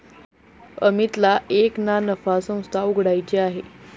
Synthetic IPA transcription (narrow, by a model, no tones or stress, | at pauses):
əmit̪laʔeknanəfasə̃w̃st̪ʰauɡʱɽajt͡ɕeaɦe